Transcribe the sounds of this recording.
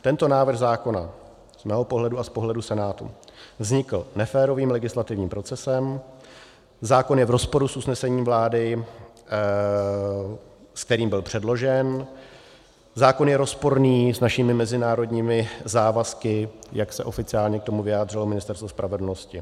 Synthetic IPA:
t̪ɛnt̪o̞naːvɾr̩ɣzaːko̞na | z̥mɛːɦopo̞ɦlɛduaspo̞ɦlɛdusɛnaːt̪ṵvzɲɪkl̩nɛfɛːɾo̞viːmlɛɡɪslat̪ɪvɲiːmpɾo̞t͡sɛsɛm | zaːko̞njɛvɾo̞spo̞ɾusʔusnɛsɛɲiːmvlaːdɪ | sk̚t̪ɛɾiːmbɪlpr̝̥ɛdlo̞ʒɛn | zaːko̞njɛɾo̞spo̞ɾniːsnaʃɪmɪmɛzɪnaːɾo̞dɲiːmɪzaːvaskɪjaksɛʔo̞fɪt͡sɪaːlɲɛkt̪o̞muvɪjaːd̪rɪlo̞mɪnɪst̪ɛɾst̪vospɾavɛdl̩no̞scɪ

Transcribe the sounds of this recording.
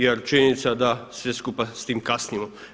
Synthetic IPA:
jeɾt͡ʃinit̪sad̪asʋeskupast̪iːmkasnimo

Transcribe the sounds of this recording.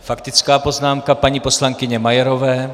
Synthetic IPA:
fakt̪ɪt͡skaːpo̞znaːmkapaɲiːpo̞slaŋkɪɲɛmajɛɾovɛː

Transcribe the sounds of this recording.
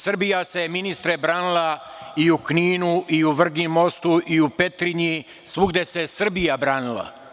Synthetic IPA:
sr̩bijase̞minist̪ɾebɾaːnilˠa | iukniːnuʔiuʋr̩ɡimo̞st̪uʔiupe̞t̪ɾiɲi | sʋuɡd̪e̞se̞sr̩bijabɾaːnilˠa̰

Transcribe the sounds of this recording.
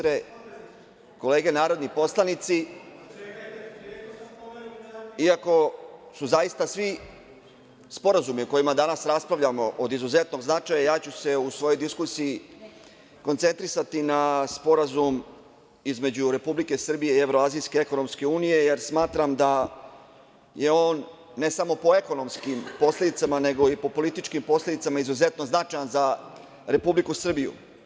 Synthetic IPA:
ɾe | ko̞le̞ːɡe̞naːɾo̞d̪nipo̞slˠanit̪si | iako̞suzajist̪asʋi | spo̞ɾazumioko̞jimad̪anasɾaspɾaʋʎamo̞ʔod̪izuze̞t̪no̞ɡznat͡ʃaːjajaːt͡ɕuse̞usʋo̞jo̞jd̪iskusiji | ko̞nt̪se̞nt̪ɾisat̪inaspo̞ɾazum | izme̞d͡ʑuɾe̞publike̞sr̩bije̞ie̞vɾo̞aːzijske̞eko̞no̞mske̞uːnije̞je̞ɾsmaːt̪ɾamd̪a | je̞o̞ːnː | e̞samo̞po̞e̞ko̞no̞mskimpo̞slʲed̪it̪samane̞ɡo̞ipo̞po̞lit̪it͡ʃkimpo̞sled̪it̪samaizuze̞t̪noznat͡ʂajanza | ɾe̞publikusr̩bijṵ

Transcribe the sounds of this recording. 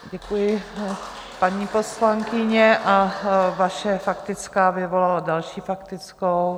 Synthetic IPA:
ɟɛkujɪ | paɲiːpo̞slaŋkɪɲɛʔavaʃɛfakt̪ɪt͡skaːvɪvolaladalʃiːfakt̪ɪt͡skow

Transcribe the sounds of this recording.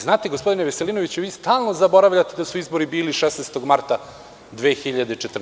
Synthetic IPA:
znaːt̪eɡospo̞d̪ineʋeseliːnoʋit͡ɕuʋiːst̪aːlˠnozabo̞ɾaʋʎat̪ed̪asuizbo̞ɾibiːliʃesnest̪o̞ɡmaɾt̪a | d̪ʋeːxiʎad̪et͡ʃet̪r

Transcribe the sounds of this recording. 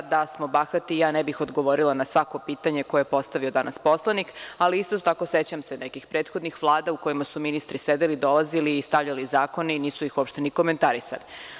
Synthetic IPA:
d̪asmo̞baxat̪ijaːnebixod̪ɡo̞ʋo̞ɾilanasʋako̞piːt̪aɲe̞ko̞epo̞st̪aʋio̞d̪anaspo̞slˠanikaliist̪ot̪akose̞t͡ɕamsenekixpɾeːt̪xo̞d̪nixʋlˠaːd̪auko̞jimasuminist̪ɾised̪elid̪o̞laziliːst̪aʋʎalizaːko̞niniːsuixopʃt̪e̞niko̞ment̪aɾisa̰li

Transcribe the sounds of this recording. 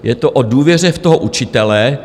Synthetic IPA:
jɛt̪oʔoduːvjɛr̝ɛft̪oɦoʔut͡ʃɪt̪ɛlɛ

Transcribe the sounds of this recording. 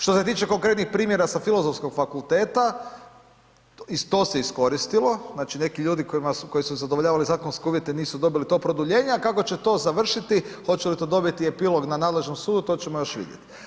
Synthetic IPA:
ʃt̪ose̞t̪iːt͡ʃe̞ko̞ŋkɾe̞t̪nixpɾiːmjeɾasafilˠo̞zofsko̞ɡfakulˠt̪e̞ːt̪a | ist̪o̞ːseisko̞ɾist̪ilˠo̞znaːt͡ʃine̞kiʎuːd̪ikoimasuko̞jisuzad̪oʋoʎaːʋalizaːkonskeuːʋje̞t̪eniːsud̪o̞bilit̪o̞pɾod̪uʎe̞ːɲeakako̞t͡ɕe̞t̪o̞zaʋr̩ʃit̪ixo̞t͡ɕelit̪o̞d̪o̞bit̪iepilˠo̞ɡnanaːd̪le̞ʒnomsuːd̪ut̪o̞ːt͡ɕemojo̞ʃʋḭd̪jḛt̪i̥

